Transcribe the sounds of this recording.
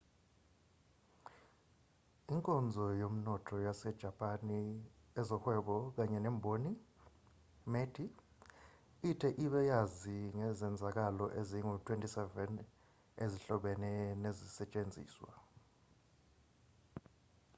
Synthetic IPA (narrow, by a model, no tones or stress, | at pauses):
iŋkʼɔnd͡zʱɔjom̩nɔtʰɔjasɛd̥ʒ̥ʱapʼaniɛzɔhwɛɓɔk̬aɲɛnɛːmbʱoni | med̥ʱi | itʰɛʔiɓɛjaziŋɛzɛnd͡zʱak̬alɔʔeziŋutʰwentʼisɛvɛn | eziɬɔɓɛnɛnezisɛt͡ʃʼend͡zʱḭːswa̰